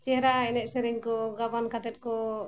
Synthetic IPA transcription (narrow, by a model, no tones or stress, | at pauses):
t͡ʃɛɦɾaɛnɛʔ̚sɛɾɛɲkɔɡabankat̪ɛt̪̚kɔ